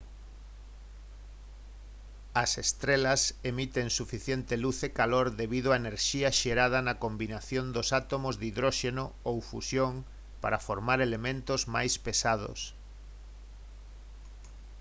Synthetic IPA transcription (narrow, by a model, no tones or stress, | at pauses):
ɐsest̪ɾelɐsemit̪eŋsufiθjent̪eluθekaloɾðeβið̞oaeneɾʃiɐʃeɾað̞ɐnɐkombinaθjond̪osat̪omozðiðɾoʃenoowfṵsjoŋ | pa̰ɾafoɾmaɾelemẽnt̪ozma̰jspesað̞o̰s